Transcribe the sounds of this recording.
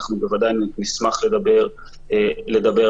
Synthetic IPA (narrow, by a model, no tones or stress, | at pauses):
χnube̞vad̪ajnnismaχle̞d̪abe̞ʁ | le̞d̪abe